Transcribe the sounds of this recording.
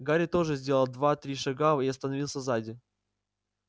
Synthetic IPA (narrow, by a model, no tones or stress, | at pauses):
ɡaɾʲɪt̪o̞ʐɨzʲdʲe̞lˠəlˠd̪vat̪ɾʲiʂɐɡaiɐst̪ənɐvʲilˠsʲəzadʲɪ